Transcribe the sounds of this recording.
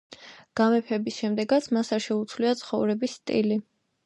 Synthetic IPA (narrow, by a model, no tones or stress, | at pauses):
ɡ̥amɛpʰɛbisʃɛmd̪ɛɡat̪sʰmasaɾʃɛut̪sʰvliat̪sʰχɔvɾɛbisːt̪ʼḭli